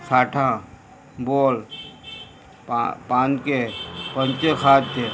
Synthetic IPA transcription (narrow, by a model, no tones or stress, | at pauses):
sʰaːʈʰã | boːl | papãːnkepə̃nt͡ʃekʰaːt̪̚t͡ʃe